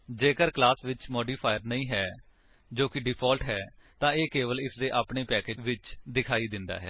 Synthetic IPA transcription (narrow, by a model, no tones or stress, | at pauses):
d͡ʒeːkəɾklaːsʋɪt͡ʃmɔːɖiːpʰaːjəɾnəĩːɦɛː | d͡ʒoːkɪɖɪpʰɔːlʈɦɛːt̪ãːeːkeːʋəlɪsd̪eːʔaːpɳeːpɛːkeːʋɪt͡ʃd̪ɪkʰaːiːd̪ɪnd̪a̰ːɦɛ̰ː